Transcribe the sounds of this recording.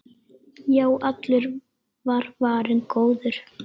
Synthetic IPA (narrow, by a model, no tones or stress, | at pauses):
jaːwat̪lʏɾ | vaɾ̥vaːɾɪnkoːwðʏɾ̥